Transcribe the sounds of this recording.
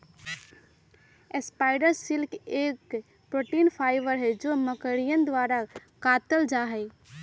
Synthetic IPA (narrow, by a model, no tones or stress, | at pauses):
espaːɪɖəɾsɪlkʰeːk | pɾoːʈiːnpʰaːɪʋəɾɦɛd͡ʒoːməkəɽijənd̪ʋaːɾakaːt̪əld͡ʒaɦɛ